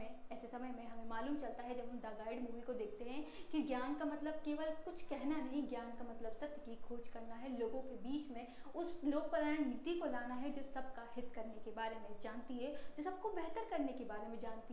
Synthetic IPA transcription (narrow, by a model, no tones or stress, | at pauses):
ẽɛːsesɐməjmẽɦɐmẽmaːluːmt͡ʃɐlt̪aɦɛd͡ʒɐbʱɦɐmd̪aːɡaːɪɖmuːʋikod̪eːk̚ʰt̪eɦɛ̃kiɡjaːnkamɐt̪ləb̚keːʋəlkʊt͡ʃʰkɛɦnanɐɦĩɡjaːnkamɐt̪ləbsɐt̪jəkikʰoːt͡ʃkɐɾnaɦɛloːɡõkebiːt͡ʃmẽʊsloːɡ̚pɐɾəɳnɪt̪ikolaːnaɦɛd͡ʒoːsɐb̚kaɦɪt̪kɐɾnekebaːɾemẽd͡ʒaːnt̪iɦɛd͡ʒoːsɐb̚kobɛɦt̪əɾkɐɾnekebaːɾemẽd͡ʒaːnt̪i